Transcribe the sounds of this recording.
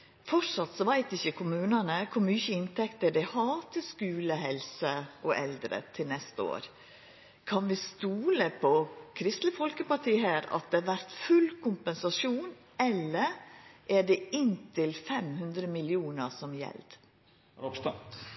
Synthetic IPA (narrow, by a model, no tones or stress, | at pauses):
fɔʂɑt̪sɔʋæɪt̪ɪçəkʰʊmʉːnənəkʰʊɾmyːçəɪnt̪ʰɛkt̪əɖ̪ɛhɑːt̪əskʉːləhɛlsəʔɔʔɛld̪ɾə̰t̪ʰɪlnɛst̪əo̰ːɾ | kʰɑnʋɪst̪uːləpʰɔkʰɾɪst̪ləfɔlkəpɑʈʰiːɦæːɾɑ̰t̪̚d̪ɛɑʋæɾt̪fʉlkʰʊmpɛnsɑʂuːn | ɛlːəɾʔæɖɛɪnt̪ʰɪlfɛmhʉnd̪ɾəmɪlɪuːnəɾsɔmjɛ̰ld̪̥